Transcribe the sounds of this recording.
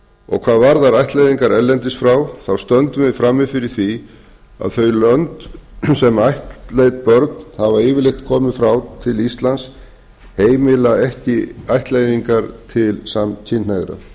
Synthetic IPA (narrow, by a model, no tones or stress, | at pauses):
ɔ̰ɣkʰv̥aːðvaɾðaɾajht̪lajðiŋkaɾɛlːɛnt̪ɪsfɾaːwθawst̪œnt̪ʏmɪðfɾamːɪfɪɾɪɾ̥θi | a̰ðθœɥjlœnt̪sɛmajht̪lejt̪̚pœɾt̪nhavaɪːvɪɾlejht̪kʰɔːmɪðfɾawt̪ʰɪlist̪lans | heːjmɪlaɛhcɪajht̪lejðiŋkaɾt̪ʰɪlsamc̪ʰinnaɣɾa̰